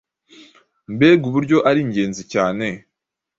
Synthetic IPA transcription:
mbe̞ːɡuβuɾɟo̞ʔaɾiɲɟe̞ːnzicaːne̞

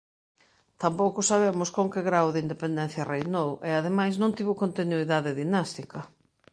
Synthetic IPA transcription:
t̪ampowkʊsaβ̞emʊskõŋkeɣɾawðɪind̪epend̪ɛ̃n̟θjɐrejnoweaðemajsnõnt̪iβʊkont̪inuiðaðɪðinast̪ikɐ

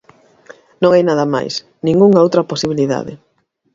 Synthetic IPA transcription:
nõŋajnaðɐma̰js | nĩŋɡuŋaowt̪ɾɐposiβiliða̰ðɪ̰

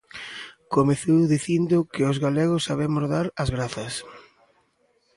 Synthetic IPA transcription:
komeθuwðiθind̪ʊkɪʊzɣalɛɣ̞ʊsːaβɛmʊzðaɾɐzɣɾaθɐs

